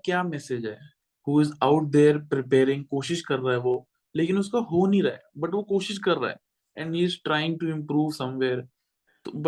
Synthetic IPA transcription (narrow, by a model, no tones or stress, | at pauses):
kjaːmɛsed͡ʒɦɛː | huːɪzaʊʈ̚d̪eːɾpɾɪpeːɾɪ̃ŋɡ̚koːʃɪʃkɐɾːaːɦɛʋoː | leːkɪ̃nʊskaɦoːnĩɾɐɦḛbɐʈʋokoːʃɪʃkɐɾːa̰ːɦɛ̰ | ɛ̃ɳɖɦiːzʈɾaːɪɪ̃ŋʈuɪ̃mpɾuːʋsɐ̃mʋeːɾ | t̪ob